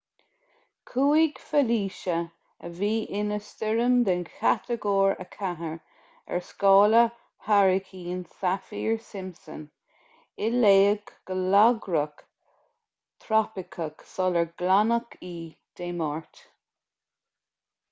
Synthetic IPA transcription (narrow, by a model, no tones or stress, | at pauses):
kʰuːiɡ̥fəliːʃə | əviːʔɪnəstɪɹəmd̪ənkʰat̪ʰəɡɔːɹə̰kʰaɦəɹ | ɛ̰ɹskɑːlə | hʰaɹɪkʰiːnsafiːɹsɪmsə̰n | ɪleːəɡɡ̥əlaɡɹək | t̪ʰɾapɪkʰəksɔləɹɡlanəkʰiː | d̪̥eːmɑːɹt̪